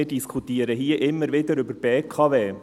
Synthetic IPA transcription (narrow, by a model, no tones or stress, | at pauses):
ɪdiskʰut̪iːəɾəɦiːəʔɪmːəɾʋɪd̪əɾʏbəɾb̥eːkʰɑːʋeː